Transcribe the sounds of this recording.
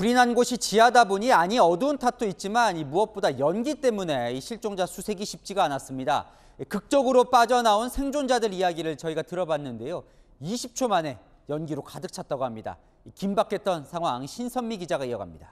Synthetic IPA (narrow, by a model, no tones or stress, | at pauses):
puɾinanɡoɕʰit͡ɕiadaboɲiaɲiʌduːntʰatʰoit̚t͡ɕ͈imanimuʌp̚p͈odajʌnɡit͈e̞mune̞iɕʰiɭt͡ɕ͈oŋd͡ʑasʰusʰe̞ɡiɕʰip̚t͡ɕ͈iɡaːnas͈ɯmɲida̰ | ikɯk̚t͡ɕ͈ʌɡɯɾop͈ad͡ʑʌnaonsʰe̞ŋd͡ʑond͡ʑadɯɾijaɡiɾɯɭt͡ɕʌiɡatɯɾʌbanːɯnde̞jo | iɕʰip̚t͡ɕʰomane̞ | jʌnɡiɾokadɯk̚t͡ɕʰat̚t͈aɡohamɲida̰ | ikimbak͈ʰe̞t͈ʌnsʰaŋɦwaŋaŋɕʰinsʰʌmːiɡid͡ʑaɡaiʌɡa̰mɲida